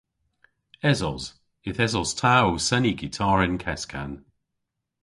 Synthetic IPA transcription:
ɛzɔz | ɪθɛzɔz̥tʰaosɛniɡɪtʰɑːɹɪnkʰɛskʰa̰n

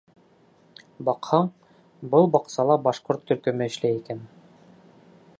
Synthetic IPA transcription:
bɑqhɑɴ | bɤlˠbɑqsɑlˠɑbɑʃqoɾt̪ʰːɵ̆ɾkɵ̆mɘɘ̆ʃlæjikæn

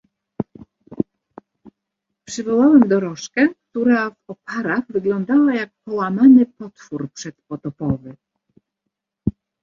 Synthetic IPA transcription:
pʂɘvɔwawɛmd̪ɔɾɔʂkɛk̚t̪uɾavɔpaɾaɣvɘɡlɔnd̪awajak̚pɔwamanɘpɔt̪fuɾpʂɛt̪pɔt̪ɔpɔvɘ

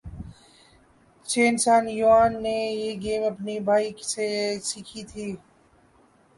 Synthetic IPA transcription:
t͡ʃeːnsaːnjuaːnːejeɡeːmɐpnibʱaːisesiːkʰit̪ʰiː

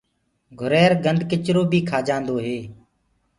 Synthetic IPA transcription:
ɡʱʊɾeːɾɡənd̪ʱkɪt͡ʃɾoːbʱiːkʰaːd͡ʒãːnd̪oːɦeː

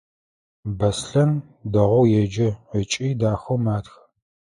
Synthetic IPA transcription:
bɐsɬɐn | dɐʁʷɔwjɛd͡ʒɪət͡ʃʼiːdaːxɐwmaːtx

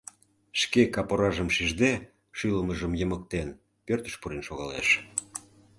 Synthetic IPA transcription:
ʃkekɑpoɾɑʒəmʃiʒd̪e | ʃyləməʒəmjəmək̚t̪en | pørt̪ə̥̆ʃpuɾenʃoɣɑlḛʃ

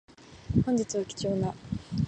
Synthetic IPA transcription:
hõ̞ɲ̟d͡ʑit͡sɨβakʲi̥t͡ɕo̞ːna

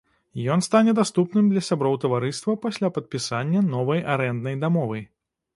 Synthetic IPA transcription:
jɔnst̪anʲɛd̪ast̪upnɨmd̪lʲɐsʲabɾɔwt̪ɐvaɾɨst̪vɐpasʲlʲapɐt̪̚pʲisanʲːɐnɔvɐjaɾɛnd̪nɐjd̪amɔvɨj

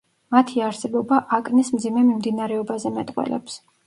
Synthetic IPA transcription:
mat̪ʰiaɾsɛbɔbaʔakʼnismd̪zimɛmimd̪inaɾɛɔbazɛmɛt̪ʼqʼwɛ̰lɛ̰ps

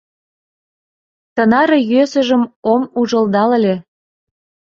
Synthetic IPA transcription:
t̪ɤ̆nɑɾɤ̆jøsə̆ʒə̆momuʒə̆ld̪ɑləlʲe

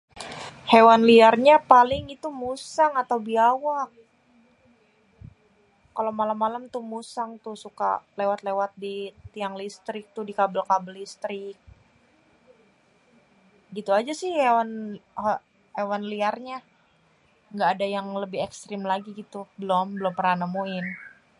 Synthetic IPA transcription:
hewanliarɲapalɪŋit̪umusaŋat̪awbiawak | kːalamalamːalamt̪umusaŋt̪ʊsuka̰lewat̪lewat̪̚dit̪iaŋlist̪ɾɪk̚t̪ʊhdikabəlkabəlist̪ɾɪk̚ | ɡit̪uad͡ʒasɪhewanh | ewanliarɲa | ŋɡaːdajaŋləbɪhɛkst̪ɾɪmlaɡiɡit̪ubəlɔmbəlʊmpəɾanamuɪn

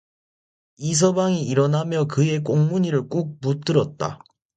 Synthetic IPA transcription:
is̬ʰʌbaŋiiɾʌnɦamjʌkɯe̞k̬͈oŋmuɲiɾɯɭk͈uk̚mut͈ɯɾʌt̚t͈a̰

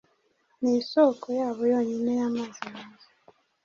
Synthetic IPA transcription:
nisokʰɔjaβojoɲinejamazaaza

